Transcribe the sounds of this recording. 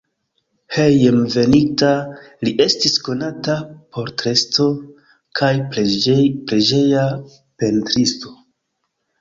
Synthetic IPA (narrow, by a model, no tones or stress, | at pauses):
hejemve̞nitaliʔe̞stisko̞natapo̞ɾtɾe̞sto̞ | kʰaj | pɾed͡ʒe̞ja | pe̞ntɾisto̞